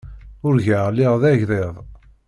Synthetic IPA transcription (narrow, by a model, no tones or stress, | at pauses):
ʊɾʝəʁlːɪʁðæʝɾeðˤ